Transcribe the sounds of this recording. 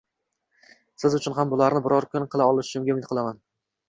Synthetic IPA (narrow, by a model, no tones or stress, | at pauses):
sɪzʊt͡ʃʰʊnɦambʊlaɾnɪbʊɾɒɾkʰʊnqʰɨlˠaɒlˠɪʃʊ̥t͡ʃʰʊmɡʲaʊmɪt̪qɨlˠaman